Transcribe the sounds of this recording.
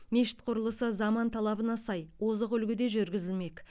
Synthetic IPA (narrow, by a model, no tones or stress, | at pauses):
mʲeʃɪ̥t̪qʰʊɾəlˠəsəzɑmɑnt̪ʰɑlˠɑbənɑsɑjwo̞zəqʏlɡʲɪd̪e̞ʒʏɾɡʲɪzɪlme̞k